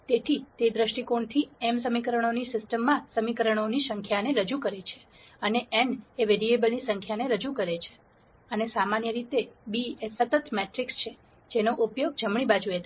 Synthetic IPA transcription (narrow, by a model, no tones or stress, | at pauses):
t̪et̪ʰit̪ed̪ɾəʃʈikoɳt̪ʰiɛmsəmikəɾəɳ̃onisɪsʈəmːãsəmikəɾəɳ̃onisəŋkʰjaneɾəd͡ʒukəɾet͡ʃʰe̥ | əneʔɛneʋeɾiebəlnisəŋkʰjaneɾəd͡ʒukəɾet͡ʃʰe̥ | ənesamanjəɾit̪ebiesət̪ət̪meʈɾikst͡ʃʰe | d͡ʒenoʔupjoɡ̚d͡ʒəmɳ̃ibad͡ʒuet̪ʰa